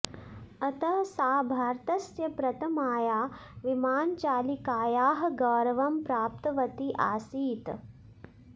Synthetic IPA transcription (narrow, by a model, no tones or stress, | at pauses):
ɐt̪ɐɦsaːbʱaːɾt̪ɐsjɐpɾɐt̪ʰɐmaːjaːʋimaːnt͡ʃaːlikaːjaːɦɐ̆ɡɐːɾɐʋɐmpɾaːp̚t̪ɐʋɐt̪iʔa̰ːsiːt̪